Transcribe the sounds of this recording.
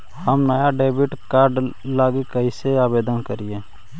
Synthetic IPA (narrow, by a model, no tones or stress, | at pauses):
həmnəjaɖeːbɪʈkaːɾɖlaːɡikəɦiseaːbeːd̪ənkəɾie